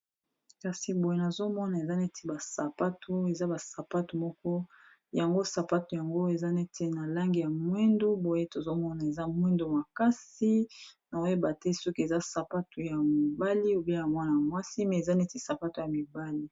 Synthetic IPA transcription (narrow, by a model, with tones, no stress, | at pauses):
ka˨si˨bo˨je˦na˨zo˦mɔ˦na˨e˨za˦ne˦tʰi˨ba˨sa˨pa˦tʰo˦e˨za˦ba˨sa˨pa˦tu˨mɔ˦kɔ˦ | ja˨ŋɡo˦sa˨pa˦tu˨ja˨ŋɡo˦e˨za˦ne˦tʰe˨na˨la˦ŋɡi˨ja˨mwɛ˦ndo˦bo˨je˦to˨zo˦mɔ˦na˨e˨za˦mwɛ˦ndo˦ma˨ka˦si˦na˨o˦je˦ba˨tɛ˦sɔ˦ke˨za˦sa˨pa˦tu˨ja˨mi˨ba˦li˦o˨be˦a˨ŋ˦a˦na˨mwa˦si˦mɛ˨e˨za˦ne˦ti˨sa˨pa˦to˨ja˨mi˨ba˦li˦